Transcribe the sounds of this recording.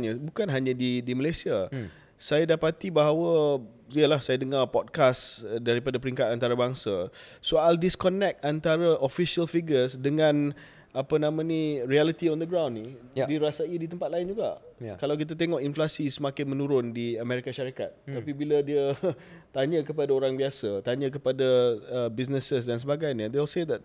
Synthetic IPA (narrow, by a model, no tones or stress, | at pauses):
ɲabukanɦaɲãdidiməlajsia | sajadapat̪ibaɦawaə | iəlahsajadəŋarpɔd̚kasdaɾipadapəɾiŋkat̪ant̪aɾabaŋsasoajldiskɔnɛk̚t̪ant̪aɾaʔofisiəlfiɡəsdəŋãn | apənãmãniɾialit̪iɔnd̪əɡɾãwnːidiɾasaidit̪əmpat̪̚laɪnd͡ʒuɡa̰kalawk̬it̪̬at̪̬eŋɔʔinflasisəmakɪnmə̃nuɾʊndiameɾikaʃaɾikat̪̚t̪apibilədiə | t̪aɲə̃kəpadaoɾaŋbiasat̪aɲə̃k̬əpadaːbisnəsəsdans̬əbaɡajɲəd̪eɔlsed̪ɛt̪̚